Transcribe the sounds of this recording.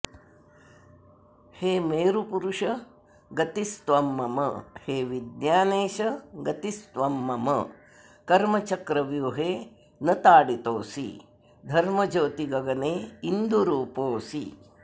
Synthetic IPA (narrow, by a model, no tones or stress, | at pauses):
heːmeːɾupuɾuʃɐ | ɡɐt̪ist̪ʋɐmːɐmɐ̰heːʋid̪njaːneːʃɐɡɐt̪ist̪ʋɐmːɐmɐ̰ | kɐɾmɐt͡ʃɐkɾɐʋjuɦeː | nɐt̪aːɽit̪oːsḭ | d̪ʱɐɾmɐd͡ʒoːt̪iɡɐɡɐneːind̪ʱuɾuːpoːsḭ